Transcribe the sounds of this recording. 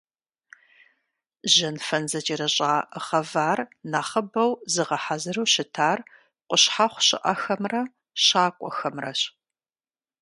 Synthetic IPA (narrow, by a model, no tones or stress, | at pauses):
ʑɐnfɐnzɐt͡ʃʼiɾɐɕʼaːəʁɐvaːrnaːχɐbɐwzɨʁɐħazɨrɐwɕɪtʰaːr | qʷʊɕħaχʷɕɪ̰ʔɐxɐmrɐ | ɕaːkʷʼɔxɐmrɐɕ